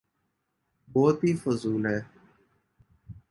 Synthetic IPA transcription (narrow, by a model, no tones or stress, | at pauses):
bɔːt̪ɦiːfʊzuːlɦɛː